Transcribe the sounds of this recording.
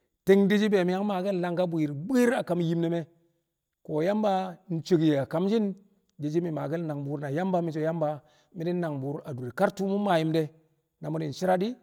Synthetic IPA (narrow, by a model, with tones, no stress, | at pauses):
te˦ŋdi˦d͡ʒi˦be˨mi˨ja˦ŋ˦ma˨ɡə˦lla˦ŋɡa˦bu˨ji˨ɾbi˦ɾa˨ka˦m˦ji˦mne˦me˦ | ko˨ja˦mba˦n̩˨t͡ʃo˨ɡja˨ka˨˦md͡ʒi˦n | di˨d͡ʒi˦mi˨ma˨ɡə˦lna˨ŋbu˨ɾna˨ja˦mba˦mi˨t͡ʃo˨ja˦mba˦ | mi˦di˦na˨ŋbu˨ɾa˨du˨ɾi˨ka˦ɾtu˦mu˦ma˨ji˦mde˦ | na˨mu˦di˨n̩˨ʃi˦ɾa˦di˦